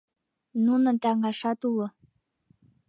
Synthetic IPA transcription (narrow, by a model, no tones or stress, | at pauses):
nunɤ̆nt̪æŋɑʃɑt̪ulo